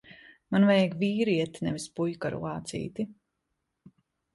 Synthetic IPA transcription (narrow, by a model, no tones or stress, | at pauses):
manvɛjɡviːɾiɛt̪inɛvispujka̰ɾṵaːt̪sḭːt̪i